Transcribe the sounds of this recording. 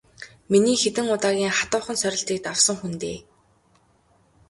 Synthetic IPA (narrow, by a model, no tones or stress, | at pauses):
miniːxet̪ɘ̆ŋʊt̪aːɣʲiːŋχat̪ʊːχə̆nsœɾʲɪ̆ɬt̪iːk̚t̪awsə̆ŋxunt̪eː